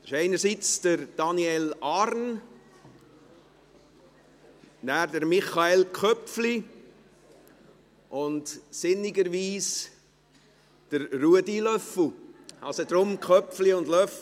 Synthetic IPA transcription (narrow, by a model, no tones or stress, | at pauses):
ʃeɪnəɾsit͡sd̥əɾd̥ɑniɛlɑɾn | næːɾdəɾmɪχɑelkʰœpfli | ʔʊntsɪnːiɡəɾʋiːs | d̥əɾːuədilœfl̩ɑ̰səd̥ɾʊmkχœpfliʊndlœf